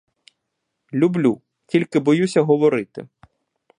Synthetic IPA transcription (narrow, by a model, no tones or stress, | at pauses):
lʲublʲu | tʲilʲkɪbɔjusʲɐɦɔʋɔɾɪt̪ɪ̰